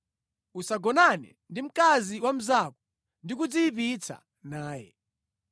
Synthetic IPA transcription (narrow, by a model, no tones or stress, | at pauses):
usaɡɔnanɛ̰ | ndim̩kaziwam̩zakɔ̥ | ndikud͡ziːpit͡sʰa̰ | naːjɛ̰